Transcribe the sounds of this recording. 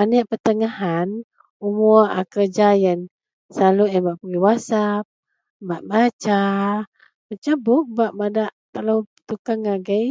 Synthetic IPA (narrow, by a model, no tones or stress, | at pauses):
anəʔpərt̪əŋaɦan | umua̰kərd͡ʒajən | saluʔjanbaʔpəŋiwasap̚ | baʔbat͡ʃa | mət͡ʃabʊk̚baʔmadaʔt̪alowt̪ukaŋaɡəj